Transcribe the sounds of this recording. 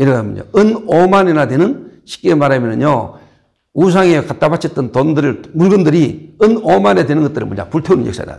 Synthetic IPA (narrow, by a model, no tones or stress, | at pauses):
iɾʌɡaɯmḭɲo̰ɯnomaninadwenɯnɕʰi̥k͈emaɾamjʌnɯɲjo | us̬ʰaŋekat̚t͈abat͡ɕʰʌt͈ɯntondɯɾɯɭmuɭɡɯndɯɾiɯnomanedwe̞nɯnɡʌt͈ɯɾɯ̰nmoɲa̰puɭtʰonɯ̰nɲjʌ̰ks͈ajḭda̰